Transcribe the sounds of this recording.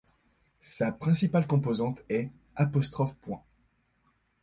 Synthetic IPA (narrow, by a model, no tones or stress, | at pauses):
sapχɛ̃sipalkɔ̃pozɑ̃t̪ɛ | apɔst̪χɔfpwɛ̃